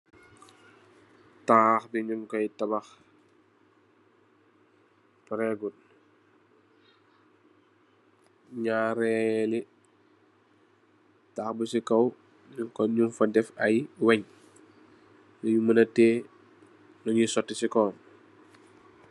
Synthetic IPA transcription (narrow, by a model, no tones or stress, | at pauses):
taːxbiɲuŋkɔjtɐbɐx | pɾɛɡul | ɲaːɾɛli | taːxbusikɐw | ɲukɔɲumfɐdɛfɐjwɛɲ | nɔjumɐnɐtɛː | nɔɲisɔtːisikɔːn